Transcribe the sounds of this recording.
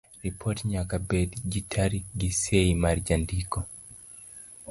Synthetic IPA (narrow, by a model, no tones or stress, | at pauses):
ɾipʰɔtɲakabɛdid͡ʒitʰaɾiɡisɛimaɾd͡ʒandikɔ